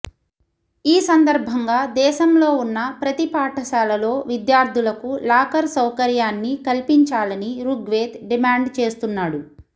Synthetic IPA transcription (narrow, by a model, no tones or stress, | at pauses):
iːsɐnd̪ɐɾbʱɐŋɡaːd̪ɛːʃɐmlo̞ːunːɐpɾɐt̪ipaːʈʰɐʃaːlɐlo̞ːʋid̪jaːɾd̪ʱulɐkulaːkɐɾsɐwkɐɾjaːnːikɐlpiɲt͡ʃaːlɐniɾuɡʋeːt̪ɖimaːɳɖt͡ʃe̞ːst̪unːaːɽu